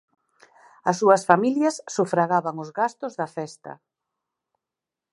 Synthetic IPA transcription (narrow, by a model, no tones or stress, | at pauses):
ɐsːuɐsfamiljɐsːufɾaɣaβaŋʊzɣast̪ʊzðɐfɛst̪ɐ̰